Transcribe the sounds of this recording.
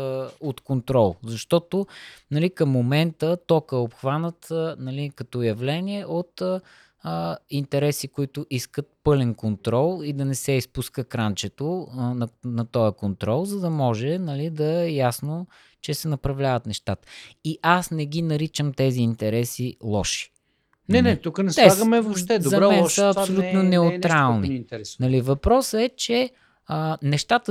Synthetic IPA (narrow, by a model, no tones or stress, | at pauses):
ot̪kont̪ɾɔlˠzɐʃt̪ɔt̪onɐlikəmːomɛnt̪ət̪ɔkəopxvanət̪nɐlikɐt̪ɔjɐvlɛniɛʔot̪ː | int̪ɛɾɛsikʊit̪ʊʔiskət̪̚pɤlɛnkont̪ɾɔlˠid̪ɐnɛsɛispuskəkɾant͡ʃɛt̪onɐnɐt̪ɔjəkont̪ɾɔlˠzɐd̪ɐmɔʒɛnɐlid̪ɐɛjasno | t͡ʃɛsɛnɐpɾɐvlʲavət̪nɛʃt̪at̪ə̥iʔasnɛɡ̟inɐɾit͡ʃəmt̪ɛziːnt̪ɛɾɛsilˠɔʃi̥ | nɛnɛt̪ukənɛsɛaɡɐmɛvoʃɛd̪zɐɾɛmɛnsəːpsolʲut̪nonɛʊt̪ɾalˠninɛnɐlivɐpɾɔsɛt͡ʃɛ | ənɛʃt̪at̪ə